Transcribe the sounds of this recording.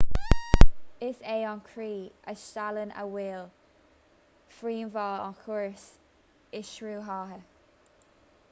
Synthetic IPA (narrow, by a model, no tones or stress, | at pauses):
ɪseːɔnkʰɹiːə̰sʃtalənʔə̰wɪl | fɹiːnvɔːɔ̰nkʰʊɹs | ɪʃɹuːɦɑːɦə